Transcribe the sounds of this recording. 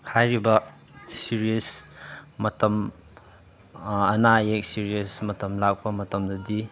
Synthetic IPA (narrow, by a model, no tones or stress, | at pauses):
hʰajɾibɐ | siɾiəsmɐtɐm | ɐnajek̚siɾiɐsmɐtɐmlak̚pɐmɐtɐmdɐdi